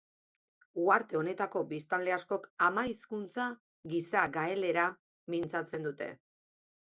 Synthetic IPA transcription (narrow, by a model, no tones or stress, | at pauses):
uaɾt̪e̞o̞ne̞t̪ako̞bist̪ale̞asko̞kamajiskunt͡sa | ɡisaɡae̞le̞ɾa | mint͡sat͡se̞nd̪ut̪e̞̰